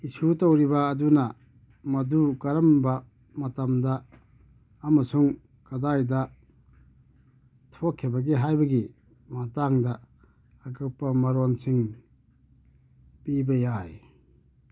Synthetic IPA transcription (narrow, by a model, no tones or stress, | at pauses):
isutowɾibɐːdunɐ | mɐdukɐɾɐmbɐ | mɐtɐmdɐː | mɐsuŋ | kɐdajdɐ | tʰokʰːibɐɡiɦajbɐɡi | mɐtaŋdɐː | kɯpːɐmɐɾonsiŋ | pibɐjaj